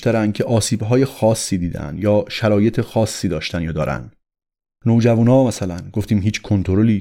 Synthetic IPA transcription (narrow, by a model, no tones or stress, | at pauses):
t̪æɾænd̪̚cʰe̞ʔɒːsiːbɦɒːje̞xɒːsːiːd̪iːd̪æ̰nd̪jɒːʃæɾɒːje̞t̪ʰexɒːsːiːd̪ɒːʃt̪ænjɒːd̪ɒːɾæ̰nd̪ | nowd͡ʒævuːnɒːmæsælænɡoft̪iːmɦiːt͡ʃʰkʰo̞nt̪ʰoɾoliː